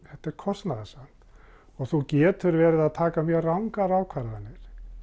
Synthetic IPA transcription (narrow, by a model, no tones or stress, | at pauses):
hɛht̪ːɛɾkʰɔst̪naðɪsan̥t̪ | ɔɣθucɛːt̪ʏɾvɛːɾɪðaðt̪ʰaːkamjœːɣrawŋkaɾaːwkʰvaɾaanːɪɾ̥